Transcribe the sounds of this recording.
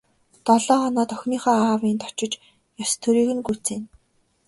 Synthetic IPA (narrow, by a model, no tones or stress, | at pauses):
t̪ɔɮɔːɔnɔːt̪œxʲniːχɔːaːwiːnt̪ʰɔ̥t͡ɕɪ̆t͡ɕ | jast̪ʰɵɾiːɣɘ̆nɡut͡seːn